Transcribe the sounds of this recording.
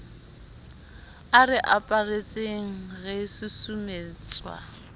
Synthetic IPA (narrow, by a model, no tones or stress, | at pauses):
arɪʔapʼaret͡sʼeŋ̩ɣɛsusumeːt͡sʼwa̰